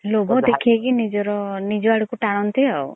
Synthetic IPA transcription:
lobɔd̪ekʰiakinid͡ʒɔɾɔnid͡ʒɔaɽikuʈaɽ̃ɔnt̪iɦaw

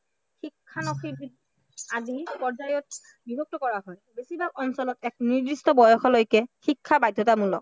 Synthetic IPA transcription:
xikʰːanɔxii | azipɔɹzajɔt̚ | bibʱɔk̚tɔkɔɹaɦɔjbesibak̚ɔnsɔlɔtɛk̚niɹdistɔbɔjɔxɔlojkɛxikʰːabajdʱːɔtamulɔk

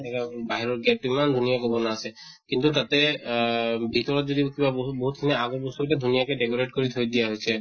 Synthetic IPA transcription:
ɛkabaɦiɾɔɹɡɛʈimand̪ʱunijakɔbɔnaːsɛ | kint̪ut̪at̪ɛ | bʱit̪ɔɹɔt̪̚zod̪ikibaboɦut̪̚k̪ʰinɛaɡɔbɔst̪ɔkʈɛd̪ʱunijakɛɖekɔɹeʈkoɾit̪ʰojd̪ijaɦojsʰɛ

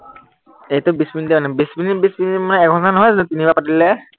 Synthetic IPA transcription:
ejtʊbisbindimanɛbisbinibisbindimanɛɛkɦɔzanɔɦɔjznɛtinibapatilɛ

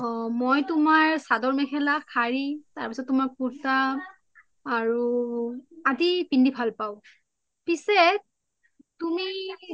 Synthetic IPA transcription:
ɔmojtʊmaɹsadɔɹmɛkʰɛlakʰaɹitaɹpisɔt̚ːʊmaɹpuɹta | ɹu | adipindibʱalpaʊ̃ | pisɛ | tumi

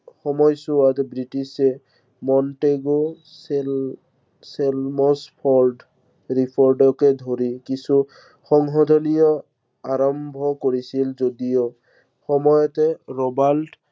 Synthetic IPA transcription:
xɔmɔjsuat̪bɹiʈisɛ | mɔnʈeɡo | sel | selmɔspʰɔɹɖ | ɹipʰɔɹɖɔkɛd̪ʱoɹikisu | xɔŋɦɔd̪ʱɔnijɔ | aɹɔmbʱɔkoɹisilzodijɔ | xɔmɔjɔt̪ɛɹɔbalʈ

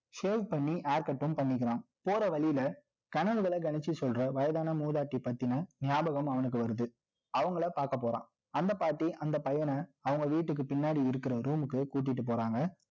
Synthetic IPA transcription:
seːʋpɐɳːiʔaːɾkɐʈːɯmpɐɳːɪk̬ːɪɾãːm | poːɾɐʋɐɭɪjɪlɐ | kɐɳɐɭɣɐɭɐɡɐnɪt͡ʃːisɔlɾɐʋɐjɐðaːnɐmuːðaːʈːipːɐt̪ːɪnɐnɪjaːbɐɣɐmɐʋɐnɯkːɯʋɐɾɯðɯ | ɐʋɐŋɡɐɭɐpaːɾkɐp̬ːoːɾã̰ː | ɐnd̪ɐpaːʈːiʔɐnd̪ɐpɐjɐnɐɐʋɐŋɡɐʋiːʈːɯk̬ːɯpɪnːaːɽiɪɾɯkːɪɾɐɾuːmɯkːɯkuːʈ̬ːɪʈːɯp̬oːɾaːŋɡɐ

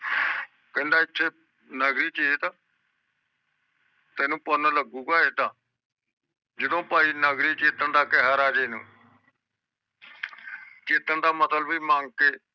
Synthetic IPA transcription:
kə̃nd̪aːɪt̪ʰːeː | nəɡɾiːt͡ʃeeːt̪ãː | t̪ɛːnũːpənləɡuːɡaːeːt̪ãː | d͡ʒəd̪õːpaːiːnəɡɾiːt͡ʃɪːt̪ːəɳd̪aːkɛɦaːɾaːd͡ʒeːnṵ̃ː | t͡ʃɪːt̪ːəɳd̪aːmət̪əlbiːmãːŋɡ̚keː

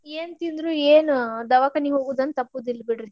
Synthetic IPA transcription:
eːnt̪ind̪ɾueːnud̪ɐʋakɐniɦoːɡuːd̪ɐnt̪ɐpːuːd̪ilːbiɽɾi

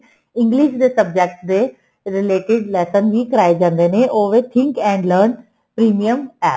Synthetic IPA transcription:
ɪ̃ŋɡlɪʃd̪eːsəbd͡ʒɛk̚ʈd̪eː | ɾɪleːʈɪɖlɛːsənʋikɐɾaːed͡ʒãːnd̪eːnẽʔoːʋet̪ʰɪ̃ŋkɛ̃ːɳɖləːɾn | pɾiːmijəmɛː

